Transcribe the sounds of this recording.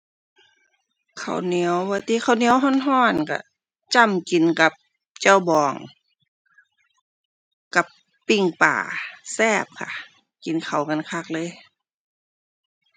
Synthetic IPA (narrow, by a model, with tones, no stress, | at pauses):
kʰa̰˨˩wni˧˦əwwaː˧˦t̪iː˧˦xʰa˨˩wni˧˦əwɦɔ˧˥˨nɦɔː˧˥˩nka̰˧˩ | t͡ɕa˧˩˨mki˨nka˧˦p̚ | t͡ɕa˧˥˩wbɔː˨˧˩ŋ | ka˧pː | i˧˩ŋpa̰ː˨˩sɛː˧˥˩p̚kʰa̰˧˩ | ki˨˦nkʰa˨˩wŋa˧˥˨nkʰa˧˩k̚lɤː˧˥˨j